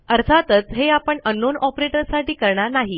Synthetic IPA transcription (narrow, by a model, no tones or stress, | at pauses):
əɾt̪ʰat̪ət͡sɦeapəɳənːonɔpɾeʈəɾsaʈiːkəɾɳanaɦi